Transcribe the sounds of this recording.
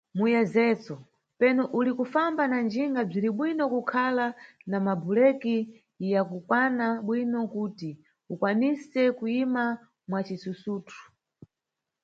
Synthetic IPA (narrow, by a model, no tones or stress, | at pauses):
mujɛzɛt͡sɔ | pɛnɔʔulikufambanand͡ʒiŋɡab͡ʐiɾiɓwinɔkukʰalanamabulɛki | jakukwanaɓwinɔkuti | ukwanisɛkuima | mwat͡ʃisusuːtʰu̥